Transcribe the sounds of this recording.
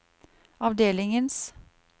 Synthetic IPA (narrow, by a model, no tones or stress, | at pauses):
ɑʋd̪eːlɪŋəns